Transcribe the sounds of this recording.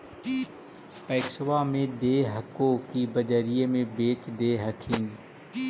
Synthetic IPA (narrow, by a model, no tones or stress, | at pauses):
pəɪksʋamẽd̪eːɦəkõkibəd͡ʒəɾijemẽbeːt͡ʃd̪eːɦəkʰiːn